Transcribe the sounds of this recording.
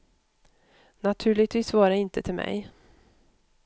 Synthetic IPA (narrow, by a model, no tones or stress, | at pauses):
nat̪ʰʉ̟ːɭɪt̪viːsvɑːɾaɪnt̪ət̪ʰɪlmɛ̰j